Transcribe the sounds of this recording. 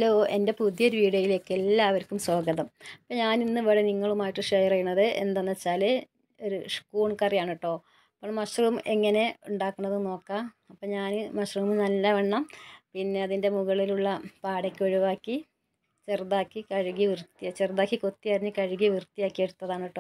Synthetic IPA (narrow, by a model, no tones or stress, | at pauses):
ɐlːoːʔe̞nde̞puðjɐɾʋiːɽɐjile̞ːkːelːaːɐʋɐɾkːumso̞ːɡɐðɐmɐpːoːɲaːninːɨʋeɻeniŋːɐɭumaːjiʈːɨʂejɐrɐjuɳːɐðɨʔe̞̰nd̪ɐnːɐt͡ɕːaːle | o̞ɾuʂkuːɳkɐrijaːɳiʈːo̞ː | ɐpːoɭmɐɕrɐumeŋːɐne̞uɳɖaːkːuɳːɐðɨno̞ːkːaː | ɐpːoɲaːnɨmɐɕrɐmɨnɐlːɐʋeɳːɐmpinːe̞ɐðinde̞muɣɐɭiluɭːɐpaːɽekʲːɨɐɻiʋaːkːi | t͡ɕerd̪aːkːikɐɻiɣiʋirt̪ːijat͡ɕerd̪aːkːiko̞t̪ːijɐɾiɲːɨkɐɻiɣiʋirt̪ːijaːkːijeɽut̪ːɐðaːɳiʈːoː